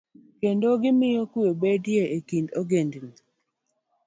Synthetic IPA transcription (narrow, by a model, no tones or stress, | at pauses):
kendoɡɪmɪjokuobedjeʔekindoɡendni